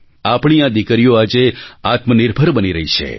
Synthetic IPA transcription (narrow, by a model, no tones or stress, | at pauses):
apɳ̃iãd̪ikəɾijoad͡ʒeat̪mənɪɾbʱəɾbəniɾəɦit͡ʃʰḛ